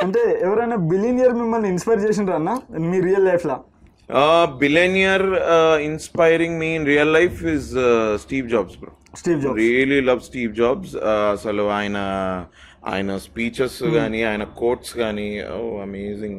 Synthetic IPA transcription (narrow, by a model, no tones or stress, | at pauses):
ɐɳʈeːɛʋɐɾɐjnaːbilinijɐɾmimːɐlniinspɐjɾt͡ʃeːs̬inɾaːnːaːmiːɾijɐlːɐjpʰlaː | bilenijɐɾinspajɾiŋɡmiːinɾijɐlːɐjfʰizsʈiːʋd͡ʒaːbsbɾɐ̰ | sʈiːʋd͡ʒaːbɾiːɐlilɐʋsʈiːʋ̚d͡ʒaːbsɐsɐluaːjɐnɐ | a̰ːjɐnɐspiːt͡ʃɐskaːniaːjɐnɐkoːɾʈskaːnio̰ːɐmeːzĩŋ